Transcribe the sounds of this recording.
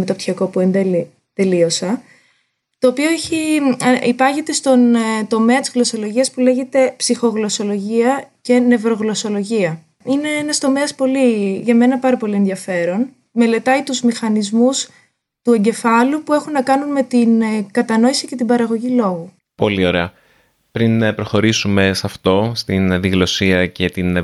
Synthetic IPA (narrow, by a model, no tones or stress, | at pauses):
met̪opt̪çiɐko̞puend̪e | t̪e̞lio̞sɐ | t̪o̞ːpioeçiipɐʝet̪e̞st̪o̞nt̪o̞meɐt̪izɣlo̞so̞lo̞ʝiɐspule̞ʝe̞t̪e̞psixo̞ɣlo̞so̞lo̞ʝiɐce̞ne̞vɾo̞ɣlo̞so̞lo̞ʝiɐ | ine̞enɐst̪o̞meɐspo̞liʝɐme̞nɐpɐɾɐpo̞lie̞nðiɐfe̞ɾo̞n | me̞le̞t̪ɐit̪uzmixɐnizmus | t̪ue̞ɲɟe̞fɐlupue̞xunːɐkɐnunme̞t̪inkɐt̪ɐno̞isice̞t̪ibɐɾɐɣo̞ʝilo̞ɣu | po̞̰lio̞ɾe̞ɐ | pɾinpɾo̞xo̞ɾisume̞sɐft̪o̞st̪inðiɣlo̞siɐce̞t̪in